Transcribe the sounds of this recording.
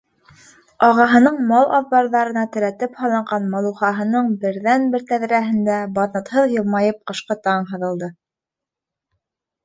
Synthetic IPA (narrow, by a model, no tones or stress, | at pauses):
ɑʁɑɦɤ̆nɤɴmɑlˠʔɑðbɑɾðɑɾɤ̆nɑt̪ɘ̆ɾæt̪ɘphɑlˠɑɴʁɑnmɑlˠuχɑɦɤ̆nɤɴbɘ̆ɾðænbɘɾt̪æðɾæɦɘ̆nd̪æbɑðnɤ̆t̪hɤðjɤ̆lˠmɑjɤp̚qɤ̆ʃqɤt̪ɑɴɦɤ̆ðɤ̆lˠd̪ɤ